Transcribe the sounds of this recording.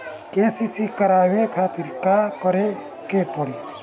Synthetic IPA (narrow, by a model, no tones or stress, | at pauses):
keːsisikɐɾaːwekʰaːt̪iɾkaːkɔɾe | kepɔɽi